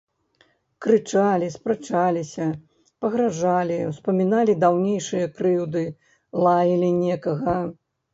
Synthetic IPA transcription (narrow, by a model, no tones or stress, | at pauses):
kɾɨt͡ʂalʲispɾɨt͡ʂalʲisʲɐ | pɐɣɾaʐalʲiwspɐmʲinalʲid̪awnʲejʂɨjɐkɾɨwd̪ɨ | lˠajilʲinʲɛkɐɣɐ